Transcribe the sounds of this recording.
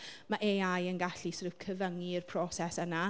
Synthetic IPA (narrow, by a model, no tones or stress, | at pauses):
maʔeːajənɡaɬisrɪwkʰəvəŋiɪrpʰrɔsɛsəna